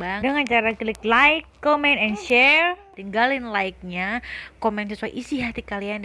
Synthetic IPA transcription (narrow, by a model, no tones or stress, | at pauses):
badəŋant͡ʃaɾakilɪklajɪkːomɛnt̪ɛnʃɛrt̪iŋɡalɪnlaik̚ɲakomɛnsəsuaḭʔisiɦat̪ikalian